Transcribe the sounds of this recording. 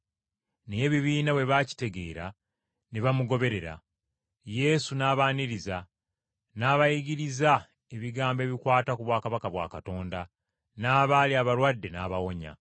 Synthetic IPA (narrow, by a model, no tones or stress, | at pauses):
neje̞βiβiːnaβwe̞βaci̥te̞ɡe̞̰ːɾa̰ | neβamuɡo̞βe̞ɾe̞ɾa̰ | je̞sunaːβaːniɾiza | naːβajiɟiɾiza | e̞βiɡaːmbe̞ːβikwaːtakuβwaːkaβakaβwa̰ːkato̞ːnda | naːβaːliaβaɾwadːe̞naːβawo̞ɲa̰